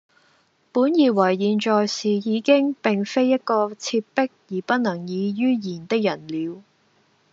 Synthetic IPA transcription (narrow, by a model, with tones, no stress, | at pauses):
puː˨˥njiː˨˩wɐ˨˩jːiː˨nt͡ʃɔː˨jsiː˨˩jiː˨˧kɪ˥ŋpɪ˨˩ŋfe˥jːɐ˥t̚kɔː˧t͡sʰiː˧pːɪ˥k̚jiː˨˩pɐ˥t̚nɐ˨˩ŋjiː˨˧jyː˥jiː˨˩nt̪ɪ˥k̚jɐ˨˩nliː˨˧w